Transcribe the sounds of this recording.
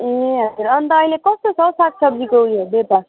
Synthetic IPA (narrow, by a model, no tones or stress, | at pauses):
eɦʌd͡ʒuɾʌnt̪ʌːɦilekʌst̪osʌsat̪̚sʌb̚d͡zikoɦujobepa